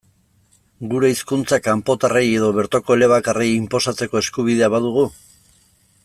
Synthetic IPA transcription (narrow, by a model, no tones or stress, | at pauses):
ɡuɾe̞iskunt͡sakampo̞t̪areje̞ðo̞βe̞ɾt̪o̞ko̞ele̞β̞akarejimpo̞sat͡se̞ko̞e̞skuβ̞ið̞e̞aβaðuɣ̞u